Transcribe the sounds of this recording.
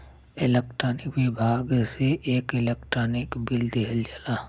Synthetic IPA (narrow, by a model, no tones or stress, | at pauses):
ɪlek̚ʈɾaːnɪkʋibʱaːɡseʔeːkɪlekʈɾaːnɪkbɪld̪eɦld͡ʒalaː